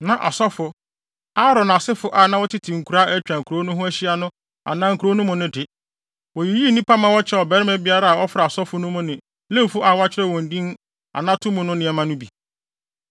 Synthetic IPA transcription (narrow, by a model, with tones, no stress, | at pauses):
nã˨ʔa̰˨sɔ˦fʊ˨ | a˦ɾɔ˨na˨sɪ˦fʊ˦ʔa˨nã˦wɔ˦tʰɪ˦tʰɪ˨ŋ̩˨kʰu˨ɾa˦ɛ˦t͡ɕᶣã˨ŋ̩˨kʰu˨ɾo˦nʊ̃˦ɦʊ̃˦æ˦ɕi˦a˦nʊ̃˦ | a̰˨nã˦ŋ̩˨kʰu˨ɾo˦nʊ̃˦mʊ̃˨nʊ̃˦dɪ˨ | wɔ˨ji˨ji˦nĩ˦pʰa˦mã˨wɔ˦t͡ɕʰɛ˦ɔ˨bɛ˦ɾɪ˦mɛ̃˦bɪ˦a˦ɾa˦˨a˨wɔ˦fɾa˨a˨sɔ˦fʊ˦nʊ̃˦mʊ̃˦nɪ̃˨ | lẽ˦m˨fʊ˦ʔa˨wa˦t͡ɕʰɪ˦ɾɛ˦˨wɔ̃˨n˨dĩ˦n˦ | a̰˨nã˦tʰʊ̃˦mʊ̃˦nʊ̃˦nɪ̃˨ɛ˨mã˦nʊ̃˦bi˨